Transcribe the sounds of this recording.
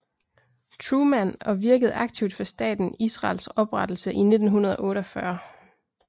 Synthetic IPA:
t͡sʰʁumænɒ̽ʋiɐɡ̥əð̩ˠɑ̈ɡ̥̚t͡sʰiʊd̥fɒ̽sd̥ɛ̰ːd̥n̩isʁɑ̰̈ːlsɒ̽b̥ʁɑ̈d̥l̩səʔine̝d̥n̩ɦunɐð̞ˠɒʔɔ̽ːɾəɒ̽fɶɐ

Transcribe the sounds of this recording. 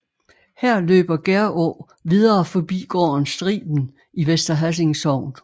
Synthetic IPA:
hæɐ̰lø̰ːb̥ɐɡ̥eɐʔɔ̰ː | ʋiðˠɐːfɒ̽b̥ḭːɡ̥ɒ̰ːɐnsd̥ʁḭːb̥n̩ | iʋesd̥ɐɦæs̬e̝ŋsɒʊ̰n

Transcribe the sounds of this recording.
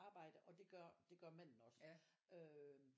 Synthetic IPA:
ɑ̈ːb̥ɑ̈ɪ̰d̥əʔɒ̽d̥e̝ɡ̥ɶɐ̰d̥e̝ɡ̥ɶɐmæn̰n̩ɒ̽sø

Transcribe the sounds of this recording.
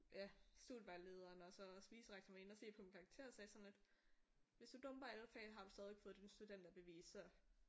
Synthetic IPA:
jæsd̥ṵːd̥ʋælːe̝ːð̞ˠɐːnɒ̽sɒ̽sb̥iːsəʁeɡ̥̚sʰɐmæe̝nɒse̝̰ːpʰɒminkʰɑ̈ːɡ̥̚t͡sʰe̝ɐsɛːsɒ̽nle̝d̥ | ʋe̝sd̥ud̥ɔ̽mb̥ɐælfɛ̰ɦɑ̈d̥usd̥ɛːð̞ˠʋe̝ɡ̥fɔ̽ð̩ˠd̥insd̥ud̥en̰d̥æb̥e̝ʋḭːsɒ

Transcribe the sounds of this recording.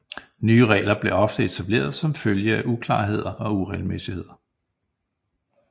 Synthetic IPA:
nyːəʁɛ̰ːlɐb̥le̝ʔɒ̽fd̥əe̝t͡sʰæb̥le̝̰ːɐðˠsɒ̽mføljəæʔukʰlɑ̰̈ːɦe̝ð̞̰ˠɐʔɒ̽uʁɛɪlmesihe̝ð̞̰ˠɐ

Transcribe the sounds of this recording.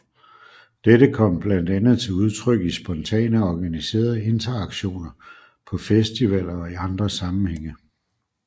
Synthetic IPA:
d̥edəkʰɒ̽m̰b̥læn̰d̥ænð̞̩ˠt͡sʰe̝luð̞ˠt͡sʰʁœɡ̥isb̥ɒ̽nt͡sʰɛ̰ːnəɒɡ̥ænise̝̰ːɐð̞̩ˠəe̝nt͡sʰɐɑ̈ɡ̥ɕo̝̰ːnɐ | pʰɒ̽fesd̥iʋɛl̰ɐɒ̽iɑ̈nd̥ʁɐsɑ̈mn̩heŋ̰ə

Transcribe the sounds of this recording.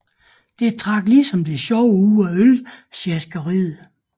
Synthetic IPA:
d̥e̝t͡sʰʁɑ̈ɡ̥liːsɒ̽md̥e̝ɕɒʊuːɒølseɐsɡ̥ɐʁiːð̩ˠ

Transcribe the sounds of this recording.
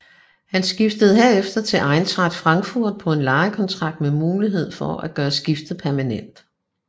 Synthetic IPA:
hænsɡ̥ifd̥əð̞̩ˠɦe̝ɐ̰efd̥ɐt͡sʰe̝ʔɑ̈ɪnt͡sʰʁɑ̈d̥fʁɑ̈ŋɡ̥fuɐ̰d̥̚pʰɒ̽e̝nlɑ̈ːɪkʰɒ̽nt͡sʰʁɑ̈ɡ̥̚d̥memuːliɦe̝ð̞̰ˠfɒæɡ̥ɶːɐsɡ̥ifd̥əð̩ˠpʰæɐmænen̰d̥

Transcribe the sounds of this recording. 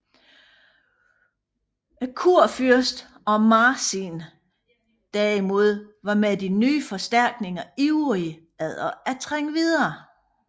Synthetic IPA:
kʰuɐ̰fyɐsd̥ | ɒ̽mɑːsin | d̥æɐimo̝ð̞̰ˠʋɑ̈med̥inyːfɒ̽sd̥æɐ̰ɡ̥ne̝ŋɐiʁi | æð̰ˠɐæt͡sʰʁaŋ̰əʋið̞ˠɐː

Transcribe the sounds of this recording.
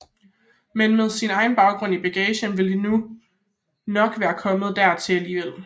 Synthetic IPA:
menmeð̞ˠsinɑ̈ɪnb̥ɑ̈ʊɡ̥ʁɔ̽n̰ib̥æɡ̥ɛɕənʋe̝ldinu | nɒ̽ɡ̥ʋæːɐkʰɒ̽məð̩ˠd̥æɐt͡sʰe̝æliːʋel̰

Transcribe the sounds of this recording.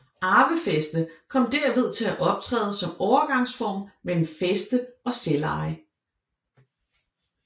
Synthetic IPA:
ʔɑ̈ːʋəfesd̥əkʰɒ̽m̰d̥æɐʋe̝ð̞ˠt͡sʰe̝læʔɒ̽b̥̚t͡sʰʁɛ̰ːðˠsɒ̽mɒʊɐɡ̥ɑ̈ŋsfɒ̰ːmmelm̩fesd̥əʔɒ̽selɑ̈ɪ

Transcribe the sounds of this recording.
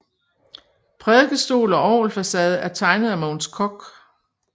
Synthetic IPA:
pʰʁɛðˠɡ̥əsd̥o̝̰ːlɒ̽ʔɒːlfæsɛːð̞̩ˠəæɐt͡sʰɑ̈ɪnəð̞̩ˠæmoːnskʰɒɡ̥

